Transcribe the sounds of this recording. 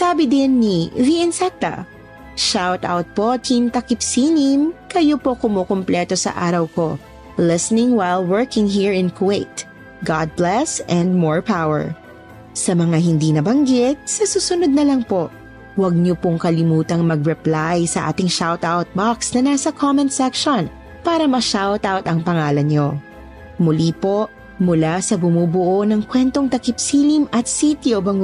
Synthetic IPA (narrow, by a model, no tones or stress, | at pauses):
saːbɪd̪ɪnːiviʔɛnsɛk̚t̪ɐ̰ | ʃawt̪a̰wt̪̚po̞t̪ʰint̪ɐkɪpsinɪmkɐjopo̞kʊmoːkomplɛt̪o̞sɐ̰ʔaːɾɐwko̞ | lɪsnɪ̃ŋwajlˠwɛɹkɪ̃ŋɦiɹɪ̃nkʰweɪt̪ | ɡɑd̪̚blɛsɛ̃nd̪̚mɔɹpawɛ̰ɹ | sɐmɐŋaɦɪnd̪inɐbɐŋɡɪt̪̚sɐsuːsʊnod̪̚nɐlɐŋpo̞ʔ | wɐɡ̚ɲopoŋkɐlɪmuːt̪ɐŋmɐɡɹɛplajsɐʔa̰ːt̪ɪŋʃawt̪awt̪̚baksnɐnaːsɐkʰomɛ̃nsɛkʃon | paːɾɐmɐʃawt̪awt̪ɐŋpɐŋaːlɐnɲo | mʊliːpo̞ | mʊlasɐbʊmuːbʊʔonɐŋkwɛnt̪o̞ŋt̪ɐkɪpsiːlimʔɐt̪̚sit̪iobɐŋ